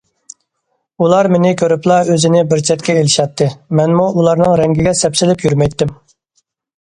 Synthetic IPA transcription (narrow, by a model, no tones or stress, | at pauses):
ulˠɑɾmenɪkʲʰøɾyplˠɑøzɪnɪbɪɾt͡ʃʰɛt̪kʲɛelɪʃɑt̪ʰːɨmɛnmuʔulˠɑɾnɨŋɾɛŋɡʲiɡʲɛsɛpsɪlɪpjyɾmɛjt̪ːɪm